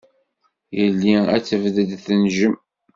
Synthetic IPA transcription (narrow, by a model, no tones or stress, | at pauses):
jəlːiæ̰t͡sːəvðəd̪θənʒəm